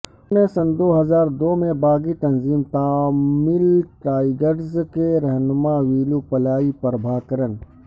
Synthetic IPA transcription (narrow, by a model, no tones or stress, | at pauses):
nẽsɐnd̪oːɦɐzaːɾd̪oːmẽbaːɡit̪ɐnziːmt̪aːmɪlʈaːɪɡəɾzkeɾɐɦnmaʋiːlupɐlaːipɐɾbʱaːkəɾən